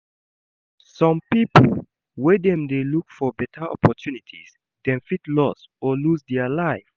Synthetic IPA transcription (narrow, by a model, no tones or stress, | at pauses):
sɔ̃mpipl | wɛdɛ̃mdelukfɔbɛtʰəʔɔ̰pɔtʰjunitʰḭs | d̥ɛ̃nfitlɔs | ɔlusdɛəlaɪf